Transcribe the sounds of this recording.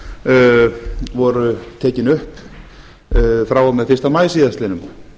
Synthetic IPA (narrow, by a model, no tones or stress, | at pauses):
vɔɾʏt̪ʰɛːcɪnʏhp | fɾaːwamɛðfɪr̥st̪amaːjsiːðast̪lɪnʏm